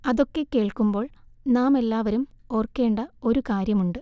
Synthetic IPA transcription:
ɐðo̞kːe̞kːe̞ːɭkumbo̞ːɭnaːme̞lːaːʋɐɾumo̞ːrkːe̞ːɳɖɐo̞ɾukaːɾjɐmuɳɖɨ

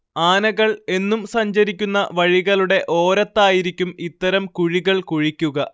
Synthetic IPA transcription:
aːnɐɣɐɭe̞nːumsɐɲd͡ʑɐɾikʲːunːɐʋɐɻiɣɐɭuɽe̞ʔo̞ːɾɐt̪ːaːjiɾikʲːumit̪ːɐɾɐmkuɻiɣɐɭkuɻikʲːuɣɐ

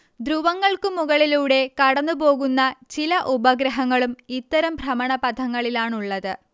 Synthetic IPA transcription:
d̪ɾuʋɐŋːɐɭkɨmːuɣɐɭiluːɽe̞kɐɽɐnːupo̞ːɣunːɐt͡ɕilɐʔubɐɡɾɐɦɐŋːɐɭumit̪ːɐɾɐmbʱrɐmɐɳɐpɐd̪ʰʱɐŋːɐɭilaːɳuɭːɐðɨ

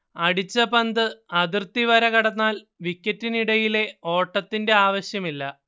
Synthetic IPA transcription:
ɐɽit͡ɕːɐpɐnd̪ɨɐðirt̪iʋɐɾɐkɐɽɐnːaːl | ʋikʲːɐtːiniɽɐjile̞o̞ːʈːɐt̪ːinde̞aːʋɐɕjɐmilːɐ

